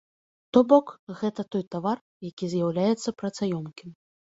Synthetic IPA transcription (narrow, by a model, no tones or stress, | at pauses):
t̪ɔbɔkɣɛt̪ɐt̪ɔjt̪avar | jakʲizʲjawlʲajɛt̪sːɐpɾɐt̪sajɔmkʲim